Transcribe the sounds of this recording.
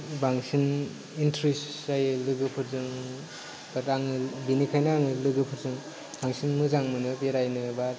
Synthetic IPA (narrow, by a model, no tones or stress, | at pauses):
baŋsin | intʰɾisajɯlɯɡɯpʰɯɾzɯŋ | bataŋɯbinikʰajnaaŋɯlɯɡɯpʰɯɾzɯŋ | baŋsinmɯzaŋmɯnɯbeɾajnɯbaɾ